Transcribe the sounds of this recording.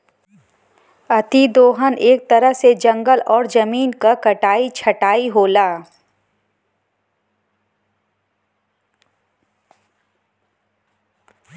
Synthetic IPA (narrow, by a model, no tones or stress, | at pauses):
ɐt̪ʰid̪oːɦəneːk̚t̪ɐɾəɦsed͡ʒɐ̃ŋɡəlɔːɾd͡ʒɐmiːnkakɐʈaːit͡ʃʰɐʈaːiɦoːlaː